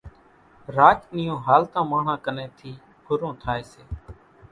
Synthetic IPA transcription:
ɾaːt͡ʃnɪjõːɦaːlt̪ãːmaːɳ̤ãːkəneːt̪ʰiː | pʰʊɾõːt̪ʰaːeːseː

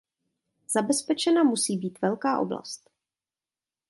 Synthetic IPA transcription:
z̥abɛspɛt͡ʃɛnamusiːbiːt̪vɛlkaːʔo̞̰bla̰st̪

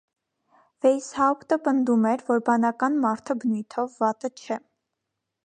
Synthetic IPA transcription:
vɛjshɑpt̪əpənd̪umɛɾvɔɾbɑnɑkɑnmɑɾt̪ʰəbənujt̪ʰɔvːɑt̪ət͡ʃʰɛ

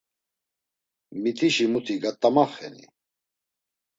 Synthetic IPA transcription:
mit̪ʼiʃimut̪ʰiɡat̪ʼːamaχɛ̰nḭ

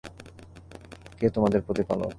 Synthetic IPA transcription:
ket̪omad̪eɾpɾot̪ipalo̰

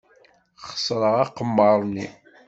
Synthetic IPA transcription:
χə̥sɾˤəʁɑqəmːəɾˤni

